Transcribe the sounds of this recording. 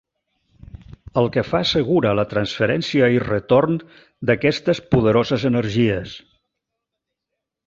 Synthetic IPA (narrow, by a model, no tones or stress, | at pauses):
əlˠkəfaəsəɣ̞uɾələt̪ɾənsfəɾɛnsiəirət̪orn | d̪əkɛst̪əspuðəɾozəzənəɾʒiəs